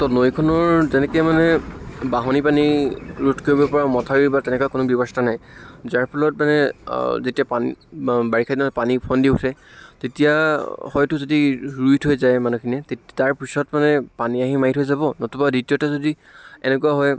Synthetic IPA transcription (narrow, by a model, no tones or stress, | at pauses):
tɔnojkʰɔnɔɹzɛnɛkɛmanɛbaɦɔnipaniɹutʰkoɹibɔpɔɹamɔtʰaɹiɹbatɛnɛkuakʊnʊbɔbɔstanajzaɹpʰɔlɔt̚manɛzetijapanibaɹikʰadinapanipʰɔndiutʰɛtetijahɔjtʊzodiɹujtʰɦojzajmanukʰiniɛtetaɹpisɔtmanɛpaniaɦimaɦitʰɦojzabɔnɔtʰubaditijɔtɛzodi | ɛ̰nɛkuwaɦɔj